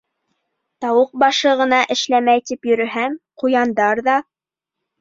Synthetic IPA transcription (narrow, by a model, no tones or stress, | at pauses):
t̪ɑwɤq̚bɑʃɤʁɤ̆nɑʔɘ̆ʃlæmæjt̪ipjɵ̆ɾɵ̆ɦæmqujɑnd̪ɑɾðɑ